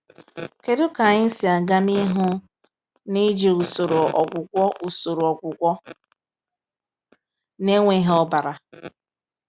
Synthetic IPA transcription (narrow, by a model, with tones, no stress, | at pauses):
ke˨dʊ˦ka˨ɲɪ˦si˨a˨ɡa˦ni˦ɦʊ˦ | ni˦d͡ʒe˨u˨so˨ɾo˨ɔ̰˨kʷʊ˨kʷɔ˦ʔu˨so˨ɾo˨ɔ˨kʷʊ˨kʷɔ˦ | ne˦ŋʷe˦ɦɔ˦ba˨ɾa˨